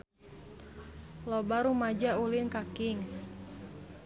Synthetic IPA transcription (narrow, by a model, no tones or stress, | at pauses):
lɔbaɾumad͡ʒaulinkakiŋs